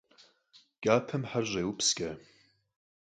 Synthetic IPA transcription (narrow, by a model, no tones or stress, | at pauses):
ɡ̥ʲaːpʰɐmħarʒʷejwupʰsɡʲa